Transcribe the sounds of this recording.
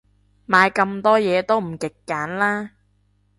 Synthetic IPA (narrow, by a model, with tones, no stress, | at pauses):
maː˨˧jkɐ˧mt̪ɔː˥jɛː˨˧t̪o˥wm̩˨˩kɪ˨kːaː˨˥nlaː˥